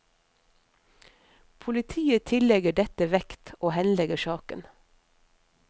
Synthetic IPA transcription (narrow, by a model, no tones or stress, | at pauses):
pʰʊlɪt̪ʰiːət̪ʰɪlɛɡəɖɛt̪əʋɛkt̪oːhɛnlɛɡəʃɑːkə̰n